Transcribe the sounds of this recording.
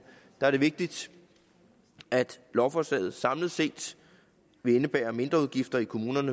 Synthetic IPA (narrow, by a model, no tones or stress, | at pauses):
d̥ɑ̈æɐɾ̥e̝ʋe̝ɡ̥̚d̥id̥ | æd̥lɒʊfɒslɛ̰ːð̩ˠsɑ̈mləð̩ˠse̝̰ːd̥ | ʋe̝enəb̥ɛ̰ːɐme̝nd̥ʁɐuð̞ˠɡ̥ifd̥ɐikʰo̝muːnɐnə